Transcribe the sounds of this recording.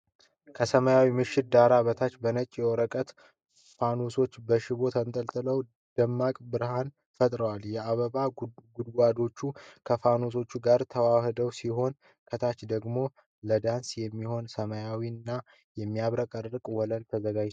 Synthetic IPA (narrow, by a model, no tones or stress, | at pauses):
kʰəsəməjawimɨʃːɪt̪̚d̪aɾaβət̪ʰat͡ʃːbənət͡ʃʼːjɛwɔɾəkʼət̪ | fanoso̞t͡ʃːbəʃɪβo̞t̪ʰant̪ʼəlt̪ʼɨləw | d̪̥əmːakʼbɨɾhan | fət̪ʼɾəwaljɛaβəβaɡud̪ɡʷad̪o̞t͡ʃːukʰəfanos̬o̞t͡ʃːuɡaɾt̪ʰəwahɨd̪əwsiɦo̞n | kʰət̪ʰat͡ʃd̪əɡmo̞ | ləd̪ansjɛmːiho̞nsəməjawinːa | jɛmːijaβɾəkʼərɨkʼwɔləlt̪ʰəzəɡad͡ʒ